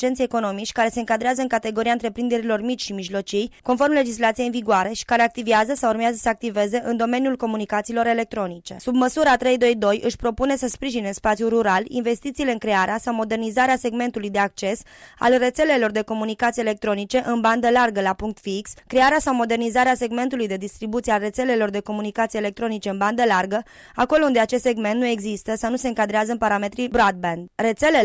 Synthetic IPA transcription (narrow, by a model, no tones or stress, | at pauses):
t͡ʃent̪seeko̞no̞mit͡ʃʲkaɾe̞se̞ɨŋkad̪ɾeazəɨŋkat̪e̞ɡoɾijant̪ɾe̞pɾind̪e̞ɾilo̞rmit͡ʃʲʃimiʒlo̞t͡ʃijko̞nfo̞rmle̞d͡ʒislat̪sijeinviɡoaɾe̞ʃi̥kaɾe̞ak̚t̪iveazəsawurmeazəsəak̚t̪ive̞ze̞ʔɨnd̪o̞me̞njulko̞munikat̪siːlo̞ɾe̞le̞k̚t̪ɾo̞nit͡ʃe̞̰sub̚məsuɾəat̪ɾe̞jd̪o̞jd̪o̞jʔɨʃpɾo̞pune̞səspɾiʒineɨnspat̪sijuruɾalḭnve̞st̪it̪siːleɨŋkɾe̞aɾeasawmo̞d̪e̞rnizaɾease̞ɡme̞nt̪ulujd̪e̞ak̚t͡ʃe̞sa̰lre̞t̪se̞le̞lo̞rd̪e̞ko̞munikat̪siele̞k̚t̪ɾo̞nit͡ʃe̞ʔɨnband̪əlarɡəlapuŋkt̪fikskɾeaɾeasawmo̞d̪e̞rnizaɾease̞ɡme̞nt̪ulujd̪e̞d̪ist̪ɾibut̪siealre̞t̪se̞le̞lo̞rd̪e̞ko̞munikat̪siele̞k̚t̪ɾo̞nit͡ʃe̞ɨnband̪əlarɡə | ako̞lound̪e̞at͡ʃe̞st̪se̞ɡme̞nt̪nue̞ɡzist̪əsawnuse̞ɨŋkad̪ɾeazəɨnpaɾame̞t̪ɾibɾad̪̚bend̪re̞t̪se̞le